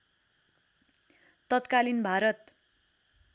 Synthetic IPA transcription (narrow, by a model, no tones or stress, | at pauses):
t̪ʌt̪kalinbʱaɾʌt̪